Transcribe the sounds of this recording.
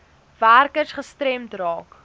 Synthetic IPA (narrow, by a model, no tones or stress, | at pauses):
værkəsχəstrɛmtrɑːk